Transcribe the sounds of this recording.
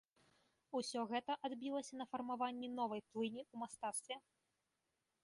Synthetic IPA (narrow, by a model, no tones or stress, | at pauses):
usʲɔɣɛt̪ɐʔad̪bʲilˠɐsʲɐnɐfɐrmavanʲːɛnɔvɐjplˠɨnʲiumast̪at̪st̪vʲɛ